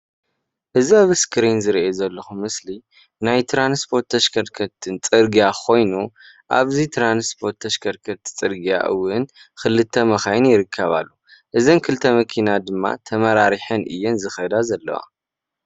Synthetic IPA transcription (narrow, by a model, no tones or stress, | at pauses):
ʔɨziaβɨskɨɾinzɨɾiʔjezɐlːɐxumɨsli | najt̪ʰɾanspʰo̞ɾt̪ʰːɐʃkʰɐɾkʰɐt̪ʰːɨnt͡sʼɨɾɡijakʰo̞jnu | ʔa̰βzit̪ʰɾanspʰo̞ɾt̪ʰːɐʃkʰɐɾkʰɐt̪t͡sʼɨɾɡija̰ʔɨwːɨnxɨlɨt̪ʰːɐmɐxajɪnjɪɾɨkʰːɐβa̰lːuʔɨzɐnkʰɨlt̪ʰɐmɐkʰinad̪ɨmːa̰t̪ʰɐmɐɾaɾiħɐnʔɨ̰jːɛnzɨxɐd̪azɐlːɐ̰wa̰